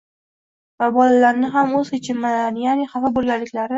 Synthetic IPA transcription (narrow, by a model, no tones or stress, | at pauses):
vabɒlalaɾnɪɦamozhet͡ʃʰɪmːalanɪjanɪχafabolˠɡʲalːɪkʲlaɾɪ